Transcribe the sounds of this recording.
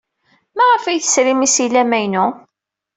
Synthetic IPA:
mæʁəfæjθə̥sɾimisilæmæjnʊ

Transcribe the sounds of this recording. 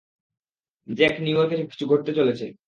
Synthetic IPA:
d͡ʑɛkniuoɾk̬et͡ɕʰoki̥t͡ɕʰuɡʱoʈ̚t̪et͡ɕolet͡ɕʰe

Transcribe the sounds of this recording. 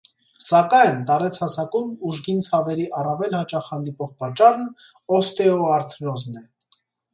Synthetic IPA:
sɑkɑjnt̪ɑɾɛt͡sʰhɑsɑkumuʒɡint͡sʰɑvɛɾiʔɑrɑvɛlhɑt͡ʃɑχhɑnd̪ipɔʁpɑt͡ʃːɑrn | ɔst̪ɛɔɑɾt̪ʰnɔznɛ

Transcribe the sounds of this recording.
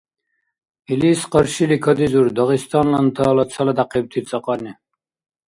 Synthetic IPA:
iliːsqɔɾʃilikʰɔd̪izuɾd̪ɔʁist̪ʰɔnlɔnt̪ʰɔːlɔt͡s̪ʰalɛd̪aqib̚t̪ʰit͡sʼɔqʼɔni

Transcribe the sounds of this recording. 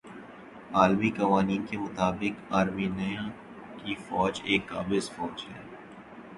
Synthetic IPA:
aːlmikɐʋaːniːnkemʊt̪aːbɪkaːɾminɐjã | kifɔːd͡ʒeːkːaːbɪzfɔːd͡ʒɦɛ̰ː

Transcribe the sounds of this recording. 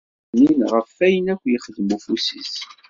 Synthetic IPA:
ninʁəfːæjənækʷːjəχəðəmufusḭs

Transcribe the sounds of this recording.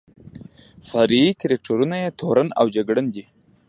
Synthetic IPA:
faɾitiɾek̚ʈaɾunajet̪ʰoɾana̰wd͡ʒaɡɽənd̪i

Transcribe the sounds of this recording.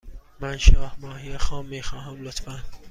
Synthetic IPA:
mænʃɑːhmɑːhiexɑːmːiːxɑːɦæmlot̪fæn

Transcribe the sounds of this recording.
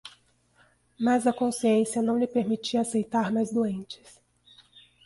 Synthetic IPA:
mazɐkõsiẽsiɐnɐ̃w̃lɪpeɾmit͡ʃiɐasejt̪aɾmajzd̪uẽnt͡ʃɪ̥s

